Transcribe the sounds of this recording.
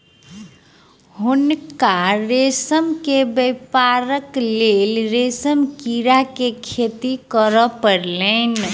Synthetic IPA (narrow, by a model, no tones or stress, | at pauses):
ɦunkaɾesəmkebəjpaɾəklelɾesəmkiɾakekʰet̪ikəɾəpəɾlən